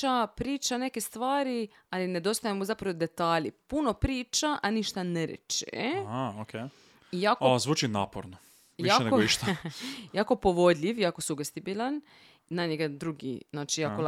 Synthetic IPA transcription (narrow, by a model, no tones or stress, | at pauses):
apɾiːt͡ʃane̞kest̪ʋaːɾi | aline̞d̪o̞st̪ajemozapɾaʋod̪e̞t̪aːʎipuno̞pɾiːt͡ʃaʔaniʃt̪aneɾḛt͡ʃḛaokʰe | ijaːkozʋuːt͡ʃinaːpo̰ɾno | jaeneɡoiʃt̪ajaːko̞poʋo̞d̪ʎʲiʋjaːkosuɡest̪ibilʲan | naɲeɡad̪ɾuɡḭznaːt͡ʃijaːkol